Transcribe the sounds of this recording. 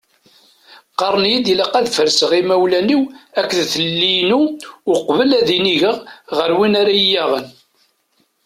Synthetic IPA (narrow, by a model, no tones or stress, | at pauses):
qɑɾˤənjid̪iləqæðfəɾsəʁimæwlæniwækːðθəlːinuʊqvəlæðiniʝəʁʁəɾwinaɾajːæʁən